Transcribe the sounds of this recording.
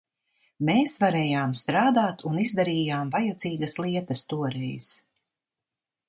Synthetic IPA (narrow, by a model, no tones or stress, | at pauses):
meːsvaɾɛːjaːmst̪ɾaːd̪aːt̪unizd̪aɾiːjaːmvajat̪ziːɡɐslˠiɛt̪ɐst̪uɔɾɛjz̥